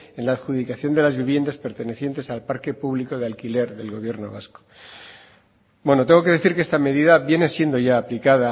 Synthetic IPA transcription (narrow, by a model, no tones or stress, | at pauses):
e̞nlaːðxuðikaθjo̞nd̪e̞lazβiβje̞nd̪aspe̞ɾt̪e̞ne̞θje̞nt̪e̞salpaɾke̞puβliko̞ðealkile̞ɾðe̞lɣo̞β̞je̞ɾno̞̰βasko̥ | bwe̞not̪e̞ŋɡo̞ke̞ðe̞θiɾkeest̪ame̞ðiðaβje̞ne̞sje̞nd̪o̞ʝaːplikaða